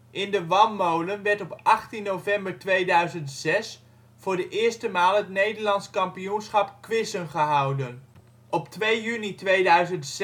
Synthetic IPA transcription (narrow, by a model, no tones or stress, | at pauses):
ʔɪndəʋɑnːowlənʋɛɹtɔpʔɑχtinːowvɛmbəɹtʋejdœɥzəntsɛs | fʊːɹdəʔɪːɹstəmaːlˠɦətnejdəɹlɑntskɑmpijunsχɑpkʋɪsənχəɦɑwdən | ɔptʋejynitʋejdœɥzənt